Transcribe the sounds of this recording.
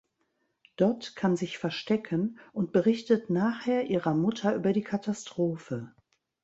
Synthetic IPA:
d̥ɔɐtkʰanzɪçfɛɐʃtɛkʰənʔʊnt̚b̥əʁɪçtətnaːχheːɐʔiːʁɐmʊtʰɐʔyːbɐdiːkʰatʰastʁ̥oːfə

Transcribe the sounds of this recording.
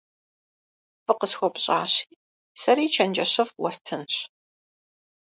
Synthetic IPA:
fɨqəsxʷɔpɕʼaːɕiː | sɐɾiːt͡ʃʰɐnd͡ʒɐɕɐfwɔstʰɨnɕ

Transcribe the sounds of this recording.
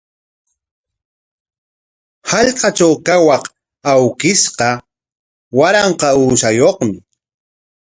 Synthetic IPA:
hɑʎqɑt͡ʃawkawɑq | awkɪsqɑ | waɾɑɴqɑuːʃajoχmɪ

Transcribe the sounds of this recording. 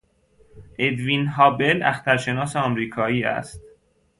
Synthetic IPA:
ʔed̪vinɦɒːbelæ̰xt̪æɾʃe̞nɒːseɒːmɾiːkʰɒːiːæ̰st̪̚

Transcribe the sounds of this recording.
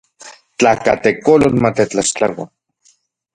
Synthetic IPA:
t͡ɬakat̪ekolonmat̪et͡ɬaʃt͡ɬawa̰n

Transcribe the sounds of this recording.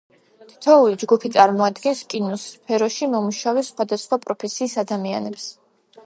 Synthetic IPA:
t̪ʰi̥t̪ʰɔulid͡ʒɡupʰit̪sʼaɾmɔad̪ɡɛnskʼinɔspʰɛɾɔʃimɔmuʃavɛsχwad̪asχwapʼɾɔpʰɛsiːsad̪amia̰nɛps

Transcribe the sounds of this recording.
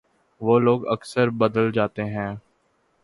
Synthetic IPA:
ʋoːloːɡəksəɾbəd̪əld͡ʒaːt̪eɦɛ̃ː

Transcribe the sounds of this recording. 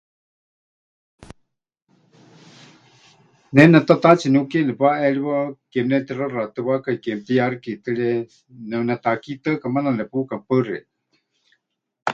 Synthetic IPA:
nɛnɛt̪at̪at͡sinukɛnɛpaʔɛɺiβɔkɛmnɛt̪irarat̪ɨβakaikɛmt̪iarikit̪əɺɛ | nɛwnɛt̪akit̪əʔkamananɛpukampərɛ

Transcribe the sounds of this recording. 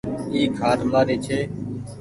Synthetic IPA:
iːkʰɦaːd̪maːɾeːt͡ʃʰeː

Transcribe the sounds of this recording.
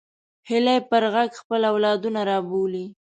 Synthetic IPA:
hɪlajpəɾɣaɡxpəlawlɑd̪unaɾɑboli

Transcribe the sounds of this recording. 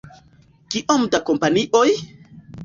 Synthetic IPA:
kiʔomdakompaniʔoj

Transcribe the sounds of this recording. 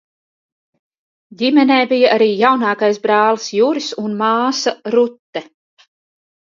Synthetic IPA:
dʲimɛnɛːbijaʔaɾiːjawnɑːkajsbɾɑːlˠsjuɾisunmɑːsaɾut̪ːɛ

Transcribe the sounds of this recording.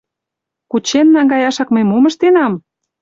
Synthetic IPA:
kut͡ɕenːɑŋɡɑjɑʃɑkməjmomə̆ʃt̪enɑm

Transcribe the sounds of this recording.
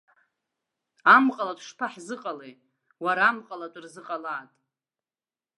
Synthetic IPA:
amqʼalatʷʰʼʂpʰaħzɨqʼalej | waɾaːmqʼalatʷʼrzɨqʼalaːtʼ

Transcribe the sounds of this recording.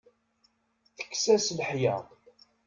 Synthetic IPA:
θə̥kːsæslħjɑ̰ðˤ

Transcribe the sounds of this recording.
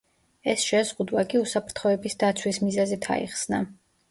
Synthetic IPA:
ɛsʃɛzʁud̪wakʼiusapʰɾt̪ʰχɔɛbisd̪at̪sʰwismizazit̪ʰa̰ḭχsna

